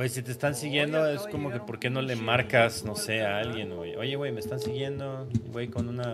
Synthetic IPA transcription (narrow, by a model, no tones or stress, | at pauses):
esit̪̬eːst̪ansiɣjend̪oeskomokepoɾkenolemaɾkasnoseaalɡjenojojewejmest̪ansiɣjend̪o | wejkonuna